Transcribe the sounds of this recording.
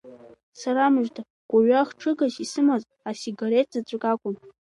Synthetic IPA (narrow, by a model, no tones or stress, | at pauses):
saɾamɨʒtʰa | ɡ̥ʷaɥaχʈ͡ʂʰɨɡasisɨmaz | asiɡaɾetʰzat͡ɕʷʼakʼakʷʼʊn